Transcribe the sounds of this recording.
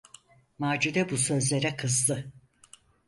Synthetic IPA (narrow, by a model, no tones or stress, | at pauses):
maːd͡ʒud̪ɛbusø̞zlʲeɾɛkʰɯzd̪ɯ